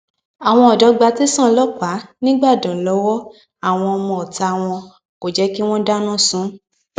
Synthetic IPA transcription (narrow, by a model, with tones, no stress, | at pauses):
a˨w̃ɔ̃˧ɔ˨dɔ˨˧˦ɡ͡ba˧ti˦sã˦˨˧lɔ˦k͡pa˨˦nĩ˦ɡ͡ba˦˨dã˨lɔ˨˧˦wɔ˦ | a˦˨w̃ɔ̃˧ɔ˧mɔ̃˧ɔ˨ta˧˨w̃ɔ̃˧ | ko˨d͡ʒɛ˨˦ki˦w̃ɔ̃˦da˦nã˦˨sũ˨˦